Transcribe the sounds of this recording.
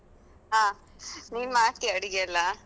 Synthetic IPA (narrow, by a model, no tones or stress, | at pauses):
ɦaː | niːnmaːt̪iɐɽiɡeɐlːa